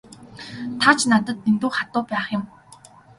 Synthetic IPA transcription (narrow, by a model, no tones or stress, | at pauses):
t̪ʰat͡ɕnat̪ə̆t̪̚ːent̪uːχat̪ʊːpæːχjɪ̆m